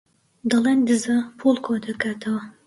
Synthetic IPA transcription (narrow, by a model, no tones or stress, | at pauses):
d̪ɐlˠeːnd̪ɨzɐpʰulˠkʰod̪ɐkʰaːt̪ʰɐwɐ